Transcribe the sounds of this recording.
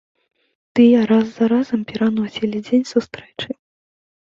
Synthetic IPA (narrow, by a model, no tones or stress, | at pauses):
t̪ɨjɛɾazːaɾazɐmpʲɛɾanɔsʲilʲid͡zʲenʲsust̪ɾɛt͡ʂɨ